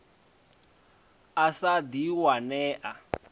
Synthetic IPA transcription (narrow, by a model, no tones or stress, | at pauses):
asad̪iwanɛːʔa